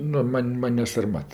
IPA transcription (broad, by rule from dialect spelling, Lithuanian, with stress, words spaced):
ˈnʊ ˈmɐnʲ ˈmɐnʲ nʲɛ sɐrˈmɐt